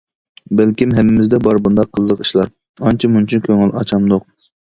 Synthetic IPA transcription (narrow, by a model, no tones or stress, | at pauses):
bɛlkʲimɦɛmːɪmɪzd̪ɛbɑɾbund̪ɑqʰːəzlˠəqi̥ʃlˠɑɾ | ɑnt͡ʃʰimunt͡ʃʰynkʲʰøŋɪlʔɑ̰t͡ʃʰɑmd̪ʊq̚